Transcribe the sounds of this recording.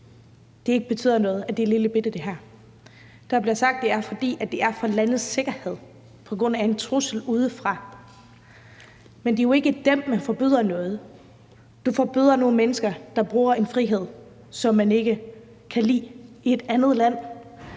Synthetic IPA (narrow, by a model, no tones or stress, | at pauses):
d̥e̝e̝ɡ̥əb̥e̝t͡sʰy̰ð̰ˠɐnɔ̽ːð̞̩ˠæd̥eliləb̥e̝d̥ðd̥e̝ɦæɐ̰ | d̥ɑ̈b̥liɐsɑ̈ɡ̥̚d̥e̝æɐfɒ̽d̥ḭːæd̥e̝æɐfɒ̽lænð̩ˠse̝ɡ̥ɐhe̝ð̞̰ˠ | pʰɒ̽ɡ̥ʁɔ̽n̰æe̝nt͡sʰʁusl̩uːð̞ˠəfʁɑ̈ | mend̥e̝jo̝e̝ɡ̥əd̥emmænfɒ̽b̥y̰ːð̰ˠɐnɔ̽ːð̞ˠ | d̥ufɒ̽b̥y̰ð̰ˠɐno̝ːn̩menəsɡ̥ɐd̥ɑ̈b̥ʁuːɐe̝nfʁiɦe̝ð̞̰ˠ | sɒ̽mːæne̝ɡ̥ə | kʰælḭː | ie̝d̥ænð̞̩ˠlæn̰